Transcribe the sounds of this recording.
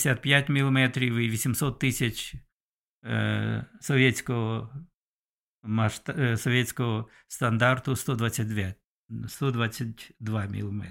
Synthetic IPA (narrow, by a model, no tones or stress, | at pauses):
sʲat̪̚pʲjatʲmʲilˠɔmɛt̪ɾʲɪʋɪʋʲisʲɪmsɔt̪ːɪsʲɐt͡ʃ | sɔʋʲesʲkɔɦɔ | mɐʃt̪sɔʋʲjetsʲkɔɦɔ | st̪ɐnd̪art̪ʊst̪ɔd̪ʋasʲət̚ʲd̪ʋʲat̚ʲ | st̪ɔd̪ʋasʲət̚ʲd̪ʋamʲḭlˠmɛ̰t̪